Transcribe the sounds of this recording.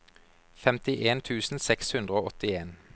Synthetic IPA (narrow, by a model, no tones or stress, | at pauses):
fɛmt̪ɪʔeːnt̪ʰʉːsn̩sɛkshʉnd̪ʁəoːɔt̪ɪeːn